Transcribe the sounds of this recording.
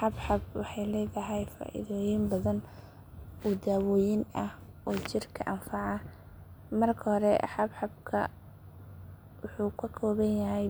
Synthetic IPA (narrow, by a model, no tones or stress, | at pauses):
ħɑbħɑb̚wɑħɑjlɛːðɐɦɛjfa̰ːʔɪ̰ðɔːjɪmbɐðɐn | ud̪aːwɔːjɪnʔɐh | ɔːt͡ʃɪrkʰɐ̰ʔɐnfɑʕɑ | mɐrkʰɐhɔɾɛħɑbħɑb̚kʰɐ̰ | wʊħuːkʰɐkʰɔːβɐnjɐɦɛj